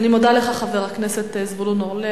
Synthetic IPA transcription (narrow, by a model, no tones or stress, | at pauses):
nimod̪aleχaχaveʁakneset̪ezvulunole